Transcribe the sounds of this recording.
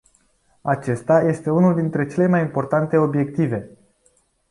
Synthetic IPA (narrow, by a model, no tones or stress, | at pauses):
at͡ʃe̞st̪aje̞st̪e̞unuld̪int̪ɾe̞t͡ʃe̞le̞majimpo̞rt̪ant̪e̞o̞bje̞k̚t̪ive̞